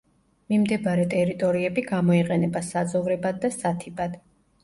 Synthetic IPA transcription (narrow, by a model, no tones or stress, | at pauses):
mimd̪ɛbaɾɛt̪ʼɛɾit̪ʼɔɾiɛbiɡamɔiqʼɛnɛbasad̪zɔvɾɛbad̪ːasat̪ʰibad̪̥